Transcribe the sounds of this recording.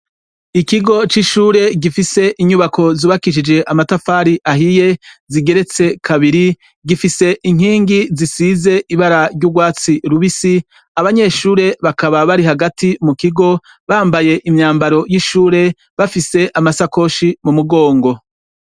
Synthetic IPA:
ikiɡo̞t͡ʃiʃuːɾe̞ɡifise̞ʔiɲuβako̞zuβakiʃ̬id͡ʒe̞ʔamatafaːɾiʔaɦije̞ziɡe̞ɾe̞t͡se̞kʰaβiɾi | ɡifise̞ʔiŋ̥hiːŋɡizisize̞ʔiβaɾaɾɟuɡwaːt͡siɾuβisi | aβaɲe̞ːʃuːɾe̞βakaβaβaɾiɦaɡatimukiɡo̞ | βaːmbaje̞ʔimɲaːmbaɾo̞jiʃuːɾe̞ | βafise̞ʔamasako̞ʃimumuɡo̞ːŋɡo̞

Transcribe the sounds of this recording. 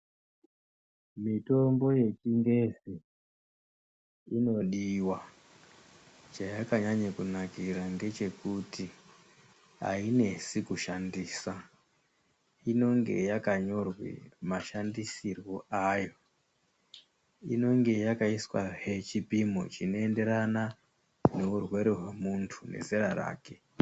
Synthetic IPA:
mito̞mbo̞je̞t͡ʃiŋɡe̞zi | ino̞ɗiwa | t͡ʃajakaɲaɲakunakiraŋɡe̞t͡ʃe̞kuti | a̰ine̞sikuʃandiːsa | ino̞ŋɡe̞̰jakaɲo̞rwḭmaʃandisirwoajo̞ | ino̞ŋɡe̞jakaiswaɦet͡ʃipimo̰t͡ʃino̞e̞nde̞ɾana | ne̞urwe̞ɾeɦwemuntʰunḛzeɾara̰ːke̞

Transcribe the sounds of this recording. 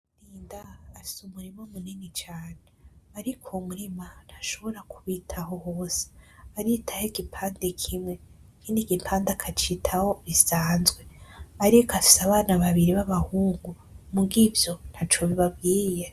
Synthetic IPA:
ɾiːndaːfi̥sumuɾimaumuninit͡ʃaːneaɾikʰomuɾiman̥haʃo̞βo̞ɾakʰuβitʰaɦo̞hoːse̥aɾitʰaheɡipʰaːndekʰimŋe̞kʰindiɡipʰaːndakʰat͡ʃitʰaho̞βisaːnzɡwe̞aɾikafi̥saβaːnaβaβiɾiβaβahuːŋɡu | muɡivjo̞n̥hat͡ʃoβiβabɡiːje

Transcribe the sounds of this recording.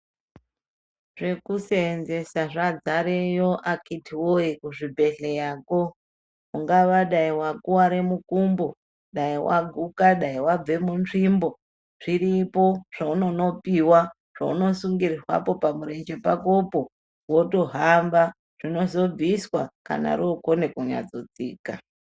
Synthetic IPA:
ʐe̞kusenzesaʐad͡zaɾejoʔakitiwoikuʐibʱe̞ɮejaːko | uŋɡaʋaɗaiwakuwaɾemukumbo | ɗaiwa̰ɡʱukaɗaiwab͡ve̞munʐimbo̞ | ʐ̥iɾipo̞ʐ̥auno̞no̞piwa | ʐ̥aṵno̞suŋɡirirwa̰po̞pamuɾe̞nd͡ʒe̞pakopo̞ | wo̞to̞ɦamba | ʐ̥ino̞zo̞b͡viswaka̰na̰ɾookonekuɲa̰d͡zot͡sḭːka̰

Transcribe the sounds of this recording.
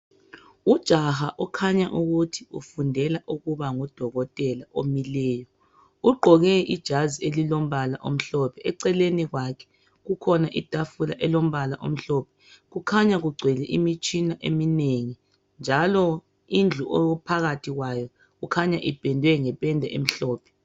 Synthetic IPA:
ud̥ʒ̥ʱahaʔɔkʰaɲaʔuɣutʰi̥ufundʱɛlaʔuɣuβaŋɔd̥ʱɔɣɔtʼɛlaʔomilɛːjɔ | uɡ͡ǃʱɔɣɛid̥ʒ̥ʱazielilom̩βala̰ʔom̩ɬɔpʰɛʔɛǀɛleniɣwakʰɛ̥ | ɣukʰɔnaʔid̥ʱafula̰ʔɛlom̩βalaʔo̰m̩ɬɔːpʰɛ̥ɣukʰaɲaɣuɡ͡ǀʱwɛlɛʔimit͡ʃʼinaʔemineŋi | nd͡ʒʱalɔ | ind͡ɮʱuʔoupʰaɣatʰiɣwajɔ | ɣukʰaɲaʔipʼɛndʱwɛŋɛpʼɛndʱɛʔem̩ɬɔːpʰɛ̥

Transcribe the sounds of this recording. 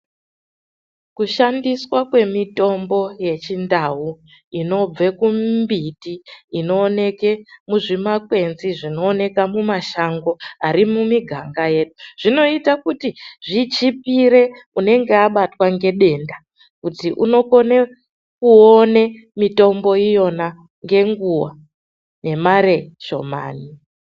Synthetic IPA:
kuʃandiswakwe̞mito̞mbo̞je̞t͡ʃindaɦu | ino̞b͡ve̞kubitiːno̞ːne̞ke̞muʐimakwe̞nziʐino̞ːne̞kamumaʃaŋɡo̞aɾimumiɡʱaŋɡaje̞ːɗuʐ̥ino̞itakutiʐit͡ʃipiɾe̞ | une̞ŋɡe̞aɓatwaŋɡe̞ɗe̞nda | kutiʔuno̞ko̞ne | kuone̞ | mito̞mbo̞ijo̞na | ŋɡe̞ŋɡuwa̰ | ne̞maɾeʃo̞̰ma̰ːni

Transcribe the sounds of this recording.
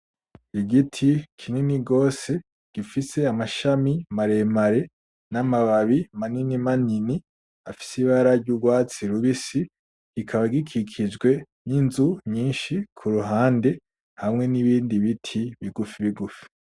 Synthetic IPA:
iɡitʰikʰininiɡo̞ːse̞ | ɡ̥ifise̞amaʃamimaɾe̞maɾe̞ | namaβaβimaninimanini | afi̥siβaɾaɾɟuːɡwaːt͡siɾuβisi | ɡ̥ikʰaβaɡikʰikʰid͡ʒɡwe̞ | ninzuɲiːnʃikʰuɾuɦaːnde̞ | hamŋe̞niβiːndiβitʰiβiɡufiβiɡufi̥

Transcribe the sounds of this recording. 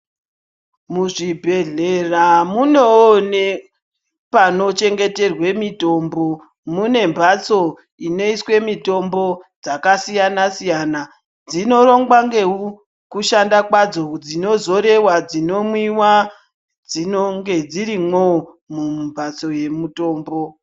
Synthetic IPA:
muʐibʱe̞ɮe̞ramunewone | pano̞t͡ʃe̞ŋɡe̞te̞rwe̞mito̞mbo̞ | mune̞mbʱat͡so̞ | ine̞iswe̞mito̞mbo̞d͡zakasijanasijana | d͡zino̞ɾo̞ŋɡwaŋɡe̞u | kuʃandakwad͡zo̞d͡zino̞zo̞ɾe̞wad͡zino̞mwiwa | d͡zinoŋɡe̞d͡ziɾimo | mumbʱat͡so̞je̞muto̞ːmbo̞

